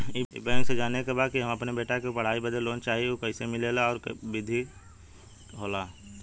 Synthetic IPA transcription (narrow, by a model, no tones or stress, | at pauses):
ɪɪ̰bɛ̃ːŋksed͡ʒaːnekebaːd̪̚kiɦɐmɐpnebeːʈakepɐɽ̤aːibəd̪ʱəlːoːnt͡ʃaːɦieokəɪsemɪlelaɔːɾbɪd̪ʱi | ɦoːlaː